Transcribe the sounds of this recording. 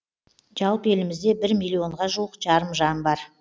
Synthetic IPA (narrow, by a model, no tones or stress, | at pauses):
ʒ̥ɑlˠpəe̞lɪmɪzd̪e̞bɪɾmʲilʲˠːio̞ɴʁɑʒuwəqʒ̥ɑɾəmʒɑnbɑɾ